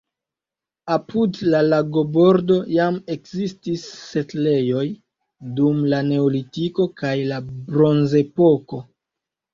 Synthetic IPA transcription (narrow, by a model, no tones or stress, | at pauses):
apʰudlalaɡo̞bo̞ɾdo̞jame̞kzistisːe̞tle̞jo̞j | dumlane̞olitiko̞kajlabɾo̞nze̞po̞ko̞